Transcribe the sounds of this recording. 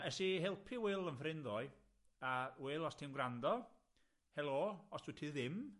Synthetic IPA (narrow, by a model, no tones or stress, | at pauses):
ɛsihɛlˠpʰiwelˠənfrɪnðɔɨ | awelˠɔstʰɪmɡrandɔ | hɛlˠoːɔsd̥utʰiðɪm